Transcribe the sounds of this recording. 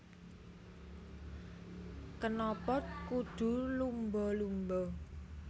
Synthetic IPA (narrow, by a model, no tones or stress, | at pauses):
kənɔpɔt̪̚kud̪̥ṳlumbɔlumbɔ